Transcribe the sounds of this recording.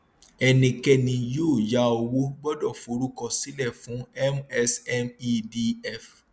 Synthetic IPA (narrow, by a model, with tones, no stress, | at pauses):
ɛ˧nĩ˧kɛ˧nĩ˧jo˦˨ja˨˦o˧wo˦bɔ˦dɔ˦˨fo˨˦ɾu˦kɔ˧si˨˦lɛ˦˨fũ˨˦ɛ˦mɛ˧sɛ˦mi˧di˧ɛ˦˨f